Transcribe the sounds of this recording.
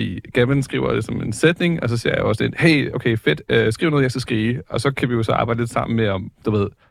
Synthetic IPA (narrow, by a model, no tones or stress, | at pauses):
ḭɡ̥æmænsɡ̥ʁḭʊ̰ɐ̰d̥esɒ̽me̝nsed̥ne̝ŋɒ̽s̬ɒsiɐ̰ja̰ɒsnedheɪ̰oʊkʰeɪfed̥øsɡ̥ʁḭʊnɔːðˠjɑɪsɡ̥æsɡ̥ʁiːɒ̽sɒ̽kʰæʋijo̝sɒ̽ɑ̈b̥ɑ̈ɪ̰dəle̝d̥sɑ̈m̰n̩meɒ̽md̥uʋe̝ð̞̰ˠ